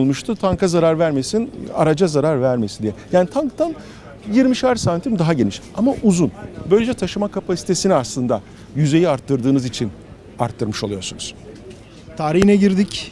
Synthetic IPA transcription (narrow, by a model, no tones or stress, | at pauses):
lˠmuʃt̪ʰut̪ʰaŋkʰazaɾaɾvæɾme̞sina̰ɾad͡ʒazaɾaɾvæɾme̞sind̪ijɛjaːnit̪ʰaŋkt̪ʰan | jiɾmiʃaɾsant̪ʰimd̪aɦaɟe̞niʃamaʔuzunbø̞jlʲed͡ʒɛt̪ʰaʃɯmakʰapʰasi̥t̪ʰe̞siniaslˠɯnd̪a | jyze̞jiaɾt̪ʰːɯɾd̪ɯːnɯzit͡ʃʰin | a̰ɾt̪ʰːɯɾmɯʃo̞lˠujo̞ɾsunuz̥ | t̪ʰaːɾihinɛɟiɾd̪ic